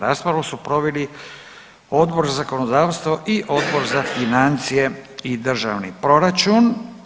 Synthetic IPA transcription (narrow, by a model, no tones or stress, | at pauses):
ɾaːspɾaʋosupɾo̞ʋeli | o̞d̪bo̞ɾzazako̞nod̪aːʋst̪voʔiʔo̞d̪bo̞ɾzafinant̪sije̞id̪r̩ʒa̰ʋnipɾo̞ɾat͡ʃun